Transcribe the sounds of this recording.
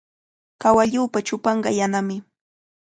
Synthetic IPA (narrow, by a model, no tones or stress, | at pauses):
kawaʎuːpat͡ʃʊpɑɴɢɑ̰janamɪ